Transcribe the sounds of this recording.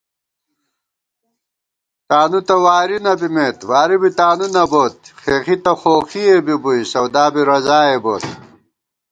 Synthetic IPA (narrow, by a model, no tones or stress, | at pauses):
t̪aːnut̪ɐwaːɾinɐbimeːt̪waːɾibit̪aːnunɐboːt̪̚xeːxit̪ɐxoːxiebibujsɐwd̪aːbiɾɐzaːeboːt̪̚